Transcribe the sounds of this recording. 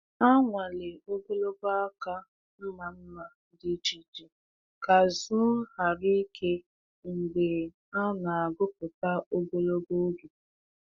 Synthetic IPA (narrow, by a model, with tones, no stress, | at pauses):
a˦ŋʷa˨le˨o˦ɡo˦lo˦ba˦ka˦ | m̩˦ma˨m̩˦ma˨˦dɪ˦d͡ʒi˨d͡ʒi˨ | ka˨zʊ˦ha˨ɾi˦kʰe˦ | ŋ̩˨ɡ͡be˨ | a˦na˨a˨ɡʊ˦p̚ʊ˨ta˦o˦ɡo˦lo˦bo˦ɡe˨